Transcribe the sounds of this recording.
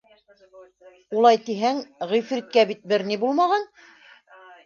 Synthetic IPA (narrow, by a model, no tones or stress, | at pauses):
ulˠɑjt̪iɦæŋʁijfɾit̪̚kæbit̪̚bɘɾnibulˠmɑʁɑn